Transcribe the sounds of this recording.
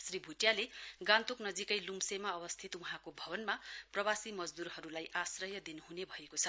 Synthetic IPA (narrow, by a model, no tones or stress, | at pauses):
sribʱuʈjaleɡãnt̪oknʌd͡zikʌjlumsemaʌbʌst̪ʰit̪wuɦãkobʱʌbʌnmaprʌbasimʌd͡zd̪uɾhʌɾulajʔasrʌjʌd̪inuɦunebʱʌekot͡sʰʌ